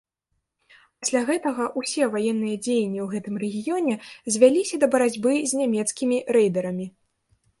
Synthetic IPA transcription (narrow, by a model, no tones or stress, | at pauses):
pasʲlʲaɣɛt̪ɐɣɐʔusʲɛvajɛnːɨjɐd͡zʲejnʲːiwɣɛt̪ɨmrɛɣʲijɔnʲɛzʲvʲalʲisʲɐd̪ɐbɐɾad͡zʲbɨzʲnʲamʲɛt̪skʲimʲiɾɛjd̪ɐɾɐmʲi